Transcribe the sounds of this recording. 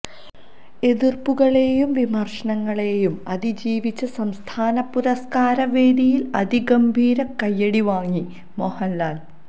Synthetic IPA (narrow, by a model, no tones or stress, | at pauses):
e̞ðirpuɣɐɭe̞ːjumʋimɐrʂɐnɐŋːɐɭe̞ːjumɐðid͡ʑiːʋit͡ɕːɐsɐmst̪ʰaːnɐpːuɾɐskaːɾɐʋe̞ːd̪ijilɐd̪iɡɐmbʱiːɾɐkːɐjːɐɽiʋaːŋːi | mohɐnlaːl